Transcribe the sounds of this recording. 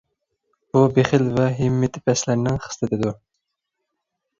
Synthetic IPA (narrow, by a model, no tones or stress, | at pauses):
b̥ubeχɪlvɛɦɪmːet̪ʰɪpʰɛslæɾnɪŋχɨ̥st̪ɨt̪ʰɪd̪u